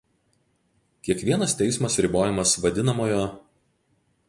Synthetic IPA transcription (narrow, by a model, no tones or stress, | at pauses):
kʲiɛkʋʲiɛnɐst̪ʲɛɪsmɐsɾʲɪboːjɛmɐsʋɐd̪ʲɪnɐmoːjoː